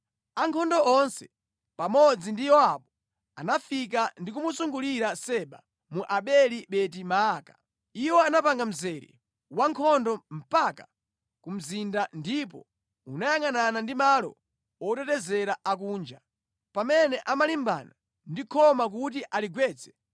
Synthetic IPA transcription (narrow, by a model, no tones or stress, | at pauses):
aŋkʰɔndɔɔnsɛ | pamɔd͡zindijɔaɓɔ | a̰nafik̬andik̬umusuŋɡuliɾasɛɓa̰ | muʔaɓɛliɓɛtimaːka | iwɔanapaŋɡam̩zɛɾḭ | waŋkʰɔndɔm̩paka | kum̩zindandip̬ɔ̰ | unajaŋananandimalɔ̰ | ɔtɛtɛzɛɾaʔak̬uːnd͡ʒa | pamɛnɛʔamalimba̰na | ndikʰɔmak̬ut̬iʔaliɡwɛːt͡sʰɛ̥